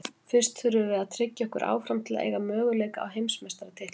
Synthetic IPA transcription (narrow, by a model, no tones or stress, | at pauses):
fɪr̥st̪θʏɾʏvɪaðt̪ʰɾɪcːaɔhkʏ̰ɾʔa̰ːwfɾamt̪ʰɪlḛːjɣamœːɣʏleːjkaa̰wɦejmsmɛst̪ɾat̪ʰɪht̪